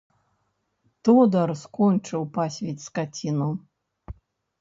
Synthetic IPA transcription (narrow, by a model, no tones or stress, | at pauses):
t̪ɔd̪ɐrskɔnʲt͡ʂɨwpasʲvʲɛt͡sʲskat͡sʲinu